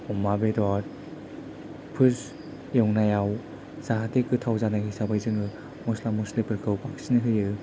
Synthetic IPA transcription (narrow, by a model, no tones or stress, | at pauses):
ɔmabedat | pʰɯs | jɔŋnajaw | zaɦatekɯtʰawzanaɡisabajzɯŋɯ | mɔslamːuslepɯɾkʰɯwpaksinɯɦɯjɯ